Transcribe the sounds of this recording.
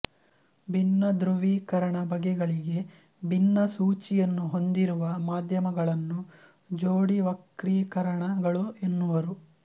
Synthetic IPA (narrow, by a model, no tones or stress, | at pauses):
bʱinːɐd̪ɾuʋiːkɐɾɐɳɐbʱɐɡɛɡɐɭiɡe̞ | bʱinːɐsuːt͡ʃijɐnːuɦo̞nd̪iɾuʋɐmaːd̪ʱjɐmɐɡɐɭɐnːu | d͡ʒoːɽiʋɐkɾiːkɐɾɐɳɐɡɐɭuenːuʋɐɾu